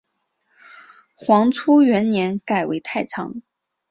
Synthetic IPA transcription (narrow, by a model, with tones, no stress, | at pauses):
xwɑ˧˥ŋt͡sʰu˥ɥɛ˧˥nnjɛ˧˥nka˨˩ɪwḛ˧˥ɪt̪ʰa˥˩ɪt͡sʰɑ̰˧˥ŋ